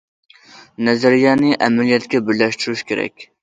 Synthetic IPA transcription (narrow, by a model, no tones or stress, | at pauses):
nɛzæɾijɑːnɨʔɛmɛlijɛt̪kʲɛbɪɾlɛʃt̪yɾuʃkʲeɾɛ̰kʲ